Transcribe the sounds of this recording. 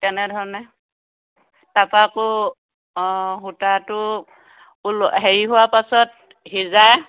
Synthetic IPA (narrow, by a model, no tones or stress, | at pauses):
tɛnɛdʱɔɹɔnɛ | tapakʊ | ɦutatʊ | lɦeɹiɦuwapasɔt̚ | ɦizaj